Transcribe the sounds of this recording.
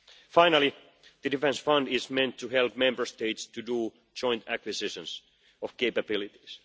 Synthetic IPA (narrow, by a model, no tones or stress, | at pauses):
faɪnalˠi | ðɨdifɛ̃nsfʌ̃ndɪsmɛ̃nt̪ʰːuɦɛlp̚mɛ̃mbə˞st̪eɪt̪st̪udu̥ː | d͡ʒɔ̃ɪ̃nt̪ækwɪsɪʃə̃ns | ɔfkeɪpæbɪlit̪i̥s